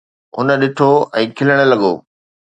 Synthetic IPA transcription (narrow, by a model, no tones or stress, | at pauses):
ʊ̰nə̆ɗɪʈʰoɛ̃ːkʰɪləɽ̃ə̆lɐɠo̰ː